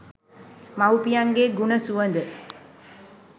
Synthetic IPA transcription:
mawpijaŋɡeɡunəsuʋənd̪ə

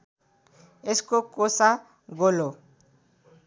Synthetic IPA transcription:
eskokosa | ɡolo

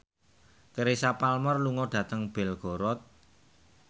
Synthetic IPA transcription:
kəɾesapalmɔrluŋɔɖ̥ä̤t̪əŋb̥ɛ̤lɡ̥o̤ɾɔt̪̚

